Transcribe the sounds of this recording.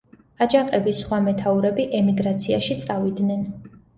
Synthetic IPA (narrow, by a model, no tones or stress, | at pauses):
ad͡ʒaqʼɛbisχwamɛt̪ʰauɾɛbiʔɛmiɡɾat̪sʰiaʃit̪sʼavid̪nɛn